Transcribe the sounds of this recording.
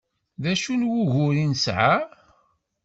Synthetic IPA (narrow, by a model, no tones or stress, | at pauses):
ðæʃunwʊʝʊɾinsʕa